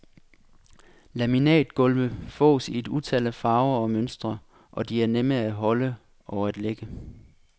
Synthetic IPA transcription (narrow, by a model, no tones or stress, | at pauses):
læminɛ̰ːd̥ɡ̥ɔ̽lʋəfɔ̰̽ːsie̝d̥ut͡sʰɛlæfɑ̈ːʊɐɒ̽mønsd̥ʁɐ | ʔɒ̽d̥iæɐnemɐæɦɒ̽lə | ʔɒʊæd̥leɡ̥ə